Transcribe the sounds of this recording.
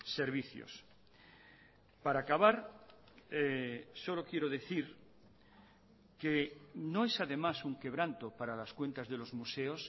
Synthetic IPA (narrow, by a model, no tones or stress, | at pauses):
se̞ɾβiθjo̰s | paɾakaβaɾ | eso̞lo̞kje̞ɾoðeθiɾ | kenoesaðe̞masuŋke̞β̞ɾant̪opaɾalaskwe̞nt̪azðelo̞zmuseos